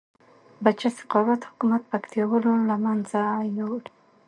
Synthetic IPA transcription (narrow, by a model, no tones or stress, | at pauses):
bat͡ʃasɪ̥qɑwat̪hʊ̥kumat̪̚pakt̪jawəlolamanzajawɽi